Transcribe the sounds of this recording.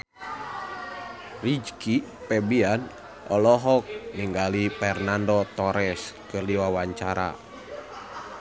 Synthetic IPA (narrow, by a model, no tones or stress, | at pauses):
rid͡ʒkipɛbian | ɔlɔɦɔk̚niŋɡalipɛrnandɔt̪ɔɾɛskɨrliwawaɲt͡ʃaɾa̰